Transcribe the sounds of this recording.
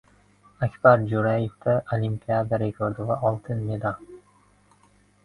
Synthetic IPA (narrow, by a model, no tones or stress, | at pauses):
akʲb̥aɾd͡ʒuɾajefd̪aʔolʲimpʲiad̪aɾekʰoɾd̪ovaʔɒlˠt̪ʰɨnmed̪ɑ